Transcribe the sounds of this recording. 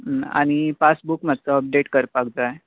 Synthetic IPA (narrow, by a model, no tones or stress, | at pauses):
a̰ɽ̃ipasbukmad̪t͡səəp̚ɖeʈkəɾpaɡd͡zae